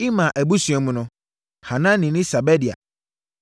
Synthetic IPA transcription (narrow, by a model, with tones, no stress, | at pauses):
i˦mã˨ʔæ˨bu˦su˨ɛ˨mũ˨nʊ̃˨ | hã˨nã˦nːĩ˨nɪ̃˦sa˨bɛ˦di˨a̰˨